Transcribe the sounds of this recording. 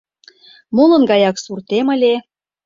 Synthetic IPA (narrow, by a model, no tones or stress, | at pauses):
molɤ̆nɡɑjɑksurt̪emə̆lʲe